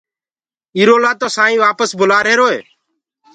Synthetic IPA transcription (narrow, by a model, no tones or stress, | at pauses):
iːɾoːlaːt̪oːsaːĩːʋaːpəsbʊlaːɾeːɾoːḛː